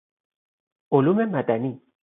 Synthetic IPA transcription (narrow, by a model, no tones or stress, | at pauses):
ʊlumemad̪ani